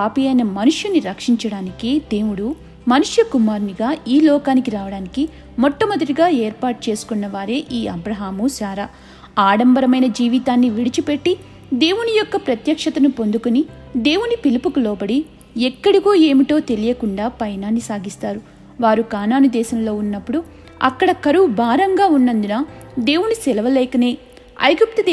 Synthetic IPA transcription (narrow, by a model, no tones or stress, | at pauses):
aːpijɐjnɐmɐnuʂjuniɾɐkʂiɲt͡ʃɐɽaːnikid̪e̞ːwuɽu | mɐnuʂjɐkumaːɾniɡaːiːlɔːkaːnikiɾaːʋɐɽaːniki | mɔʈːɐmɐd̪ɐʈiɡaːeːɾpaːʈut͡ʃe̞ːsu̥kunːɐʋaːɾe̞ːʔiːɐbɾɐɦaːmusaːɾaː | aːɽɐmbɐɾɐmɐjnɐd͡ʒiːʋit̪aːnːiʋiɽit͡ʃipe̞ʈːi | d̪e̞ːwunijɔkːɐpɾɐt̪jɐkʂɐt̪ɐnupo̞nd̪ukunid̪e̞ːwunipilipukulɔːbɐɽi | ɛkːɐɽiɡo̞ːe̞ːmiʈo̞ːt̪e̞lijɐkuɳɖaːpɐjɐnaːnːisaːɡist̪aːɾu | ʋaːɾukaːnaːnud̪ɛːsɐmlo̞ːunːɐpːuɽu | ɐ̰kːɐɽɐkɐɾuubʱaːɾɐŋɡaːunːɐnd̪unɐd̪e̞ːwunisɛlɐʋɐlɛːkɐne̞ː | ɐ̰jɡup̚t̪ɐd̪